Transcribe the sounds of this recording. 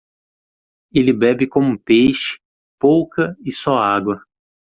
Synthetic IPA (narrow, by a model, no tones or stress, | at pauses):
elɪbɛbɪkõmʊpejʃɪ̥ | powkɐɪsɔaɡwɐ